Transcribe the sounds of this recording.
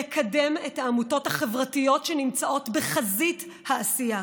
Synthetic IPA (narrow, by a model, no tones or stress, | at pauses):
ekʰademetaːmuto̞thaχe̞vʁatijo̞tʃenimt͡saʔo̞tbeχazit | haːsija